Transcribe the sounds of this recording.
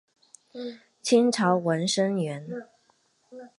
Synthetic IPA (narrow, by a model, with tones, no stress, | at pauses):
t͡ɕʰi˥ŋʈ͡ʂʰɑ˧˥ʊwə˧˥nʂə˥ŋɥɛ˧˥n